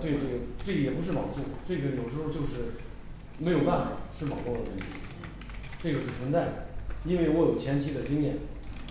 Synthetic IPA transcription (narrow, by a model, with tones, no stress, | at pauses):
ʈ͡ʂɤ˥˩ɡʈ͡ʂɤ˥˩ɡə˩jɛ˨˩pʂ̬ɻ̩˥˩pɑ˨˩ŋt͡su˥˩ʈ͡ʂɤ˥˩ɡə˩jo˨˩ʊʂɻ̩˧˥xo˧t͡ɕjo˥˧ʊʂɻ̩˥˩ | me˧˥ɪjo˨˩ʊpa˥˩nfa̰˨˩˦ʂɻ̩˥˩mɑ˨˩ŋk̪d̪ə˨˩ɛ˥nt͡ɕʰi˥˩ə˥˩i˧˥˩ | ʈ͡ʂɤ˥˩ɡə˩ʂɻ̩˥˩t͡sʰwə˧˥nt͡sa˥˩ɪə˩i˥nwe˥˩ɪwɔ˧˥jo˨˩ʊt͡ɕʰjɛ˧˥nt͡ɕʰi˧˥d̪ə˨t͡ɕi˥ŋjɛ˥˩n